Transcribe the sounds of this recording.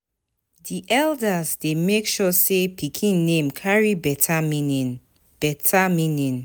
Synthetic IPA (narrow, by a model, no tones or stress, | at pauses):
diʔɛldazdemekʃɔsepʰikʰĩnːẽmkʰaɹibɛtʰaminin | b̥ɛtʰamĩnĩn